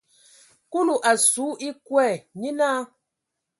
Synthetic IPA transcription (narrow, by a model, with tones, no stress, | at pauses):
ku˦lu˨ʔa˨su˨˦i˦kwɛ˦˨ɲi˦naː˦